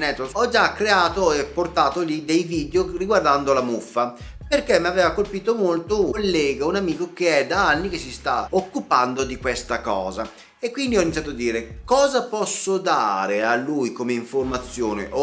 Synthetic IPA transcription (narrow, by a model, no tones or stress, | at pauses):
nɛt̪ːoɔd͡ʒakɾeaːt̪oepːort̪aːt̪olid̪ejviːd̪eoriɡward̪and̪olamufːa | perkemːiavɛːvakolpiːt̪omolt̪olːɛːɡaunamiːkokeɛd̪aanːikesːist̪aokːupand̪od̪ikwest̪akɔːza | ekːwind̪iɔinit̪sjat̪oad̪ːiːɾekɔːzapɔsːod̪a̰ːɾealːujkomeiɱformat̪sːjoːnḛʔo